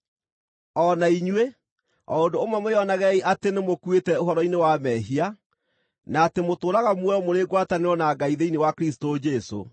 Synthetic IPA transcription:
ɔnaiɲwe | ɔondoːmwɛmoɔnaɣɛiʔatenemokwetɛoɦɔɾɔinewamɛɦia | naːtemotoːɾaɣamwɛɔmoɾeɡwataneɔnaɡaiðeinewakɾistod͡ʒɛso̰

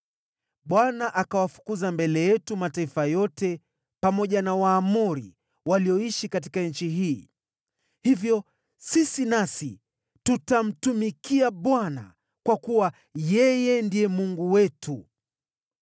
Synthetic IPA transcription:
ɓwanaʔakawafu̥kuzambɛlɛjɛtumataifajɔtɛ | pamɔʄanawaːmuɾḭ | waliɔiʃikat̬i̥kaɲ̩t͡ʃiɦiː | hivjɔ | sisinasi | tutam̩tumikiaɓwana̰ | kwakuwa | jɛjɛndijɛmuŋɡuwɛtʰu

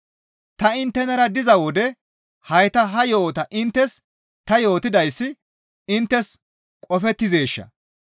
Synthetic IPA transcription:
t̪ɐɪnt̪ːɛnɐɾɐd̪ɪzɐwɔd̪ɛ | hɐjt̪ɐɦɐjo̞ːt̪ɐʔɪnt̪ːɛs | t̪ɐjo̞ːt̪ɪd̪ɐjsːɪ | ɪnt̪ːɛs | kʼɔfɛt̪ːɪze̞ːʃːɐ̰

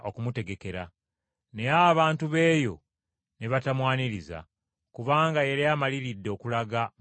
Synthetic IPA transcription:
ʔo̞kumute̞ɡeke̞ɾa | ne̞aβaːntuβe̞ːjo̞ | ne̞βatamwaːniɾiza̰ | kuβaːŋɡaje̞ɾiamaliɾidːe̞ːkulaɡa

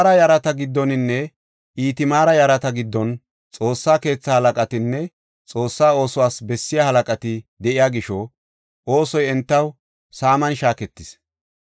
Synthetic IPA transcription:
ɾɐjɐɾɐt̪ɐɡɪd̪ːɔnɪnːɛ | iːt̪ɪmaːɾɐjɐɾɐt̪ɐɡɪd̪ːɔn | t͡sʼo̞ːsːaːke̞ːt͡sːɐhɐlɐkʼɐt̪ɪnːɛ | t͡sʼo̞ːsːaːo̞ːsʊwaːsbɛsːɪjahɐlɐkʼɐt̪ɪd̪ɛʔɪjaːɡɪʃɔ | ʔo̞ːsɔjɛnt̪ːɐw | saːmɐnʃaːkɛt̪ːɪs

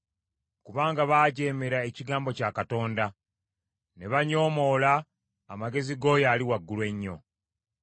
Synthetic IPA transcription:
kuβaːŋɡaβaːɟe̞ːme̞ɾaeciɡaːmbo̞cakato̞ːnda | ne̞βaɲo̞ːmo̞ːlaː | maɡe̞ziɡo̞jaːliwaɡːulwe̞ɲːo̞̰

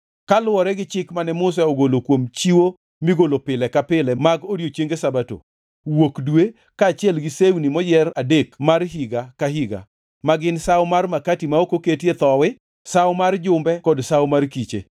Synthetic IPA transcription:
kalwɔɾɛɡɪt͡ʃɪkmanɛmʊs̬ɛoɡolokwomt͡ʃiwo | miɡolopɪlɛkapɪlɛmaɡoɾjot͡ʃeŋɡesabato̰ | wokdwe | kaːt͡ʃɪɛlɡɪsewnimɔjɛradekmarɦiɡakaɦiɡa̰ | maɡɪnsawmarmakatimaokoketjet̪ɔwɪ | sawmard͡ʒʊmbɛkɔdsawmarkit͡ʃḛ

